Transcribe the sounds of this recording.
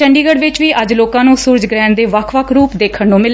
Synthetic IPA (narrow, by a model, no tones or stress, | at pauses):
t͡ʃəɳɖiːɡəɽʋɪt͡ʃʋiːʔəd͡ʒloːkãːnũːsʊɾd͡ʒɡɾɛːɳd̪eːʋəkʰʋəkʰɾuːpd̪eːkʰənːũːmɪl